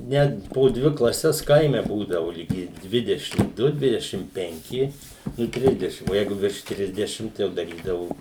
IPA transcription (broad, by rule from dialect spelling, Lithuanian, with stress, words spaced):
ˈnʲɛt poː ˈdʲʋʲɪ klˠɐˈsʲɛs ˈkɐɪmʲɛ ˈbuːdɐʋoː lʲɪˈɡʲɪ ˈdʲʋʲɪdʲɛʃʲɪm ˈdʊ ˈdʲʋʲɪdʲɛʃʲɪm pʲɛŋʲˈkʲɪ nʊ ˈtʲrʲɪzʲdʲɛʃʲɪm oː ˈjɛɪɡʊ ʋʲɪrʃ ˈtʲrʲɪzʲdʲɛʃʲɪm tɐɪ ˈjɛʊ dɐˈrʲiːdɐʋʊ